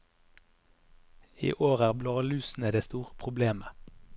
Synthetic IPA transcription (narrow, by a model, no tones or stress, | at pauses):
ḭːʔoːʁæːʁblɑːlʉːsn̩əd̪eːst̪uːʁə̥pʰʁʊbleːmə